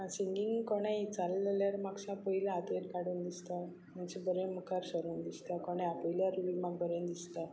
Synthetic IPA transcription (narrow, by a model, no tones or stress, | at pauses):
siŋɡiŋɡkɔɽ̃ãit͡salːeljaɾmaɡsapəɦilaːt̪əeɾkaɽuːnd̪ist̪a | mant͡ɕibəɾẽməkaɾsəɾuːnd̪ist̪akɔɽ̃eapəɦiljaɾuɭimaɡbəɾẽnd̪ist̪a